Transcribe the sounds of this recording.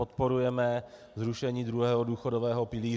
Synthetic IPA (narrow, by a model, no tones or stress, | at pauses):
ot̪po̞ɾujɛmɛ | zɾuʃɛɲiːdɾuɦɛːɦoduːxodovɛːɦo̞pɪliː